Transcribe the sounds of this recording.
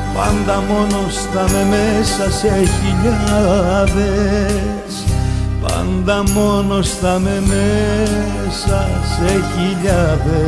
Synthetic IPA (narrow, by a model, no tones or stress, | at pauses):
ba̰nd̪amonost̪amemesaseɣiʎaðe | sba̰nd̪amonost̪ameme | saseɣiʎaðe